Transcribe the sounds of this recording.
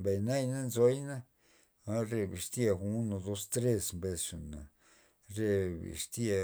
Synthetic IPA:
be˨jna˦jna˦nzo˦jna˦ | a˦ɾe˧bi˨ʂt̪ja˧xu˦no˧d̪o˧st̪ɾe˦smbe˧sʂi˨na˨ | ɾe˧bḭ˨ʂt̪a˧

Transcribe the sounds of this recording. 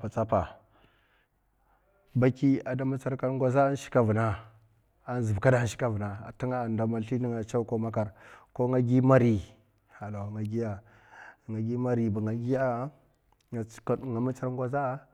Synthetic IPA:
pa˨t͡sa˦pa˨ | ba˦ki˦a˨da˦ma˦t͡sa˦ɾka˦ɾŋɡʷa˦za˦a˦n˦ʃi̥˦ka˦vu˨na˦ | a˦n˦zi˨bka˦da˦ʃi̥˦ka˦vu˨na˨a̰˨ta˦ŋa˦˨nda˨ma˨ɬi˦ni˦ŋa˨t͡ʃa˦u˦ko˦ma˦ka˨ɾko˦ŋa˦ɡi˦ma˦ɾi˨ | ha˨lo˨ŋa˨ɡi˦ja˨ | ŋa˨ɡi˦ma˦ɾi˨ba˨ŋa˨ɡi˦ja˦˨˦ | ŋa˨ma˦t͡sa˦ɾŋɡʷa˦za˦

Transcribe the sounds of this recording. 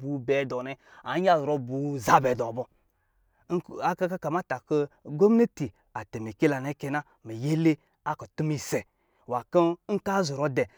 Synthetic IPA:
bu˨bɛ˨dɔ˨nɛ˨ | a˨˦a˦zɾo˧bu˨˦za˦bɛ˨dɔ˨bɔ˦˨ | a˨ka˦ka˦ka˨ma˦ta˨kə˦ɡo˦m˦e˦ti˨ | a˨te˨mi˨ke˦la˨ne˦kɛ˧na˦ | mi˨je˦le˦ | a˦kɔ˨tu˦mi˨sɛ˨ | wa˨kə˦ŋ̩˦ka˦zu˨ɾo˦dɛ˨

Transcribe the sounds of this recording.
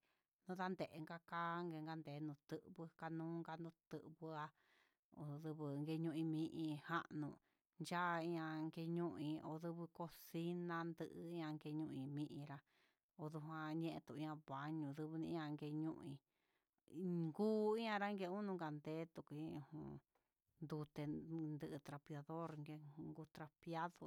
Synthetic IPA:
nũ˦˧ða˦nd̪e˨ʔe˧ŋɡa˧kaː˦ŋɡe˧ŋɡa˧nd̪e˨˦nũ˨t̪ɨ˦ʔβɨ˧ka˧nũː˦ŋɡa˧nũ˧t̪ɨ˧ʔβɨ˧a˧ | o˨ðɨ˧βɨ˧ŋɡe˧ɲũ˧ʔĩ˧mĩ˧ʔĩ˧ha˦ʔnũ˧˨ | nd͡ʒa˦˧ĩ˧ã˧ŋɡe˧ɲũ˦˧ʔĩ˧o̰˧˨ðɨ˧βɨ˧ko˧si˦nã˧nd̪ɨ˧ʔɨ˧i˦ɲã˧ŋɡe˧ɲũ˧ʔĩ˧mĩ˧ʔĩ˧ɾa˧ | o˧ðu˧ɦã˧ɲẽ˦ʔẽ˧t̪u˧˨ĩ˧ã˧βa˨ɲũ˧˨ðɨ˧βɨ˧nĩ˧˦ã˧ŋɡe˧ɲũ˦ʔĩ˧ | ŋɡuː˦i˦ɲã˧ɾa˦ŋɡe˧ũ˦nũ˧ŋɡa˨nd̪e˦t̪u˨ku˧ĩ˦˧hũ˧ | nd̪u˧t̪e˧nd̪ɨ˧ʔɨ˧t̪ɾa˧pja˧ðo˦ɾŋɡe˧ŋɡu˧t̪ɾa˧pja˦ðo˧

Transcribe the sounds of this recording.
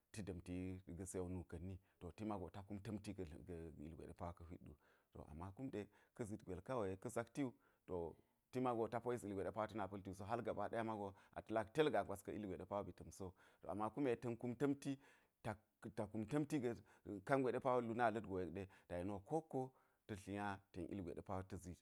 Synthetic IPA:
ti˦dɐ˨mti˦˨ɡɐ˨se˦a˨˦nu˨kɐ˨nːi˦to˨ti˦ma˦ɡo˨ta˦ku˦mtɐ˦mtḭ˦˨ɡḭ˨lɡʷḛ˨ɗḛ˦pa˦wa˦kɐ˦ɦi˦dṵ˨ | to̰˨ʔa̰˨mːa˦ku˦mɗe˨kɐ˦zi˨tɡʷe˨lka˦wo˨je˨kɐ˦za˦kti˦u˦ | to̰˨ | ti˦ma˦ɡo˨ta˦po˦i˦si˨lɡʷe˨ɗe˦pa˦wa˦ti˦na˨pɐ˦lti˦u˨so˦ɦa˦lɡa˨ba˨˦ɗa˦a˦ma˦ɡo˦a̰˨tɐ˦la˦kte˦lɡa˨ɡʷa˨skɐ˦i˦lɡʷe˨e˦pa˦wo˦bi˨tɐ˨mso˦ | to̰˨a̰˨mːa˦ku˦me˨tɐ˦nku˦mtɐ˦mti˦ | ta˨ | ta˨ku˨˦mtɐ˦mti˦ɡɐ˨ | ka˦nɡʷe˨ɗe˦pa˦wo˦lu˦na˦˨lɐ˦tɡo˨je˨kɗe˦ta˨ji˨no˨ko˦ko˦ | tɐ˨ɬi˨ja˦te˨nʔḭ˦lɡʷḛ˨ɗḛ˦pa˦wo˦tɐ˦zi˦t

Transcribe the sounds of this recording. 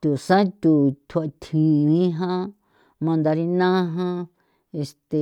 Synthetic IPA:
t̪u˨sã˦t̪u˨t̪ʰt̪ʰĩ˨˧ĩ˦ɦã˦ | mã˧nd̪a˧ɾi˧nã˦ɦã˦ | e˧st̪e˧˨

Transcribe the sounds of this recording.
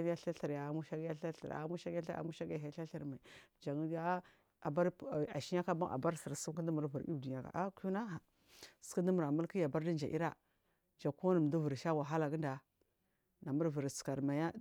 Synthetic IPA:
ja˦ɬa˦ɬə˨ɾja˨˦mu˦ʃa˦ɡja˦ɬa˦ɬa˨ɾa̰˨˦mu˦ʃa˦ɡa˦ɬa̰˨˦mu˦ʃa˦ɡja˨˦a˦ɬa˦ɬə˨ɾma˨i˨d͡ʒa˨ŋ˦a˦ | a˨ba˦ɾa̰˨ʃi˦ja˦ka˦ba˦ʔa̰˨ba˦ɾsi˨ɾsu˦m˦kə˦də˦mu˨ɾvu˨ɾḭ˦˨di˨ɲa˨ka̰˨ʔa˦ku˦na˦ɦa˨ | skə˦də˦mu˨ɾa˨mu˦lki˦ja˨ba˦ɾdi˦nd͡ʒa̰˨ʔḭ˦ɾa˦ | d͡ʒa˨ku˦nə˨m˨du˦və˨ɾʃa˦wa˨ɦa˦la˨ɡə˦nda˨ | na˨mu˦ɾvə˨ɾska˨ɾma˨ja˦

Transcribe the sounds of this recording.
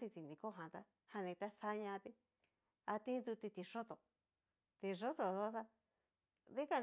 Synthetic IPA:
t̪i˧t̪i˨nd̪ĩ˧ko˦˨ɦã˨t̪a˦ | ha˧nĩ˧t̪a˦sa˦ɲã˧t̪i˧ | a˧t̪ĩ˦d̪u˧t̪i˧t̪i˧ʂo˦t̪o˨ | t̪i˧ʐo˦t̪o˨ɾo˦t̪a˧ | ði˦ka˧

